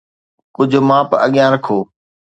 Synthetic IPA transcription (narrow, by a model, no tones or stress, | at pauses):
kʊd͡ʑʱʊmãːpə̰ɠjãːɾəkʰoː